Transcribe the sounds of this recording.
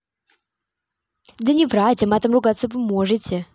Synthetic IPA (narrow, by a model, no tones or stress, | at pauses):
d̪ənʲɪvratʲəmat̪amrʊɡat̪sːəvɨmɔʐɨtʲɪ